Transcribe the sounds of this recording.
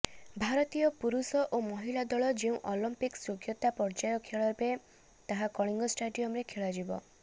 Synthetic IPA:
bʱaɾɔt̪ijɔpuɾusɔʔomɔɦilad̪ɔɭɔd͡ʒeũʔɔlɔmpiksoɡʰjɔt̪apɔɾd͡ʒajɔkʰeɭɔɾbe | t̪aɦakɔɽ̃iŋɡɔsʈaɖijɔmɾekʰeɭad͡ʒibɔ̰

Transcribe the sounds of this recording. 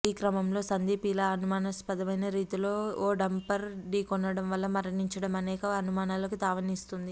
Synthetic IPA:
iːkɾɐmɐmlo̞ːsɐnd̪iːpilɐɐnumaːnɐspɐd̪ɐʋɐjnɐɾiːt̪ilo̞ːoːɖɐmpɐɾɖiːkɔnːɐɽɐmʋɐlːɐmɐɾɐniɲt͡ʃɐɽɐmɐnɛːkɐːnumaːnaːlɐkut̪aːʋɐnist̪und̪i

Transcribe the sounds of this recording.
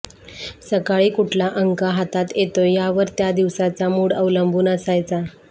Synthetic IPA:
səkaɭiːkuʈʰlaʔəŋkaɦat̪at̪jet̪ojaʋəɾt̪jad̪iʋsat͡samuɽəʋləmbʱuːnəsajt͡sa

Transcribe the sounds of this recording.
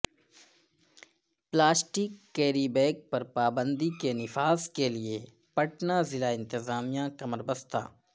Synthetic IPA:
plaːsʈɪkːɛːɾibɛːk̚pɐɾpaːbə̃nd̪ikenɪfaːzkelie | pəʈnazɪlaɪ̃nt̪ɪzaːmijãkɐməɾbəst̪a̰ː

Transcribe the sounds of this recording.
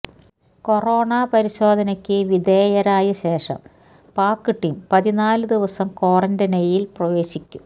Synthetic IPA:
ko̞ro̞ːɳaːpɐɾiɕo̞ːd̪ʱɐnɐkʲːɨʋid̪eːjɐɾaːjɐɕe̞ːʂɐ̰m | paːkːɨʈːimpɐðinaːlɨd̪iʋɐsɐmko̞ːrɐndɐnɐjilprɐʋe̞ːɕikʲːum

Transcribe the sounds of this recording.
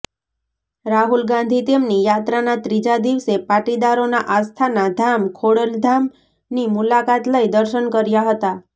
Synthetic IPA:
ɾaɦulɡãnd̪ʱit̪emnijat̪ɾanat̪ɾid͡ʒad̪iʋsepaʈid̪aɾonaʔast̪ʰanad̪ʱamkʰoɽəld̪ʱam | nimulakat̪ləjd̪əɾʃənkəɾjaɦət̪a

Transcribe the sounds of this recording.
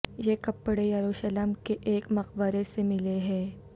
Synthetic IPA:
jekɐpːɽejɐɾuʃələmkeʔeːkmɐqbəɾesemɪleɦɛ̃ː

